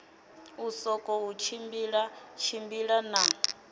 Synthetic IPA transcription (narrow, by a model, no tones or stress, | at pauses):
usɔkʼɔut͡ʃʰimbiɺat͡ʃʰimbiɺana